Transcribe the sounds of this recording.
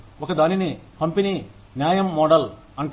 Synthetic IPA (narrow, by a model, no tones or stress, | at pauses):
ɔkɐd̪aːninipɐmpeniː | njaːjɐmːɔːɖɐl | ɐɳʈ